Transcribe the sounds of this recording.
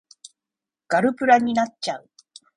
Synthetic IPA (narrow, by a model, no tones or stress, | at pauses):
kaɾɯpɯɾaɲinat͡ʃːaɯ